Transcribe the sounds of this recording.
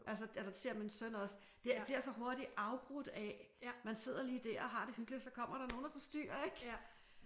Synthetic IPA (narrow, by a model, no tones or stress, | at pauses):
ʔæls̬əæsɐse̝ɐminsœn̰ɒ̽s | d̥ebliɐ̥sɒ̽ɦo̝ɐɾ̥iɑ̈ʊb̥ʁud̥ɛ | mænse̝ð̰ˠɐliːd̥æɐ̰ɒɦɑ̈ɾ̥e̝hyɡ̥lisɒ̽kʰɒ̽m̰ɐɾ̥ɑ̈no̝ːn̩æfɒ̽sd̥y̰ːɐeɡ̥